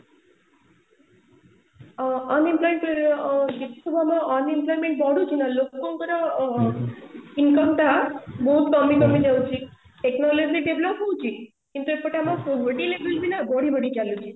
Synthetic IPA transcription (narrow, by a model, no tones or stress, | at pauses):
ɔnimplɔjmeɳʈɾd͡ʒit̪i̥sɔbʱamãʔɔnimplɔjmeɳʈ̚bɔɽut͡ʃʰinalokoŋkəɾa | inkəmt̪abɔɦut̪kəmːikəmid͡ʒawt͡ʃʰi | ʈeknɔlod͡ʑiɖeblɔpuwt͡ʃʰi | kint̪uepəʈamãpobəʈilebəlbʱinabɔɽibəɽikjalut͡ʃʰi